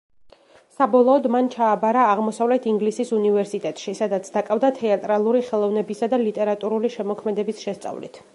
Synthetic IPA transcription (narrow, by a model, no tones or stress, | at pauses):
sabɔlˠɔːd̪mant͡ʃʰaːbaɾaːʁmɔsavlɛt̪ʰiŋɡlisisunivɛɾsit̪ʼɛt̪ʼʃisad̪at̪sʰd̪̥akʼavd̪at̪ʰɛat̪ʼɾalˠuɾiχɛlˠɔvnɛbisad̪alit̪ʼɛɾat̪ʼuɾuliʃɛmɔkʰmɛd̪ɛbisʃɛst̪sʼa̰vlḭt̪ʰ